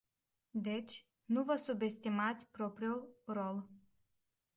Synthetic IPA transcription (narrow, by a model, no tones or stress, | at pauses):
d̪ɛt͡ʃ | nuvəsubʲest̪ʲimat̪sʲpɾopɾiulˠɾolˠ